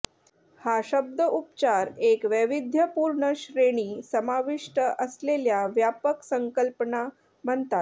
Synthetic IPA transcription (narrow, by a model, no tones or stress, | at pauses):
haɕəb̚d̪əʔupt͡ɕaɾekʋəʋid̪ʱjəpuɾɳəɕɾeɽ̃iːsəmaʋiʂʈəʔəsleljaʋjapəksəŋkəlpəna | məɳt̪at̪